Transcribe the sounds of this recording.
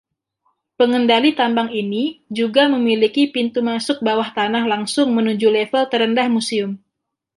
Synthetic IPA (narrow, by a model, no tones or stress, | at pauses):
pəŋəndalit̪ambaŋinid͡ʒuɡaməmilikipint̪umasʊk̚bawaht̪anahlaŋsʊŋmənud͡ʒulɛfəlt̪əɾəndahmusiʊm